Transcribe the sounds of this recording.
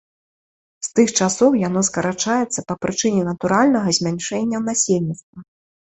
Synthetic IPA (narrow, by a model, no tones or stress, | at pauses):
st̪ɨxt͡ʂasɔwjan̪ɔskɐɾat͡ʂajɛt̪sːɐpɐpɾɨt͡ʂɨnʲɛnɐt̪uɾalʲnɐɣɐzʲmʲanʲʂɛnʲːɐwnasʲelʲnʲit̪st̪vɐ